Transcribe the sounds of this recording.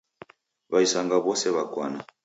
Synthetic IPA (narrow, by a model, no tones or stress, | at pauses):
βaisaŋɡaβɔsɛβakwana